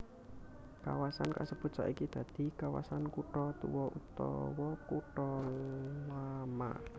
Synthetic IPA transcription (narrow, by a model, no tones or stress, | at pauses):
ka̰wasanka̰səb̥ṳt̪̚sa̰ʔikid̪̥ä̤d̪̥i̤kawa̰sankuʈɔt̪uwɔʔut̪ɔ̰wɔkuʈɔ | lama̰